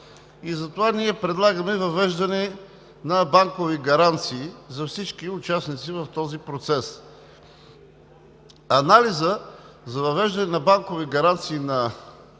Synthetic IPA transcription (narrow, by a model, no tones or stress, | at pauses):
izɐt̪ovaniɛpɾɛd̪lˠaɡəmɛvɐvɛʒd̪ɐnɛ | nɐbaŋkoviɡɐɾant̪siːzɐfsit͡ʃkiʊt͡ʃasnit̪sivɐft̪ɔzipɾot̪sɛs | ɐnalizə | zɐvɐvɛʒd̪ɐnɛnɐbaŋkoviɡɐɾant̪siːnɐ